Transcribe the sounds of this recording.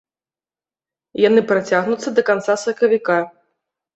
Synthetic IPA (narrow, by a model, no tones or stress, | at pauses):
janɨpɾat͡sʲaɣnut̪sːɐd̪ɐkant̪sasɐkɐvʲika